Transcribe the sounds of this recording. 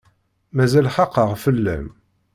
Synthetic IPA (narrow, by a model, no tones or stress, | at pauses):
mæzælħɑqːəʁfəlːæ̰m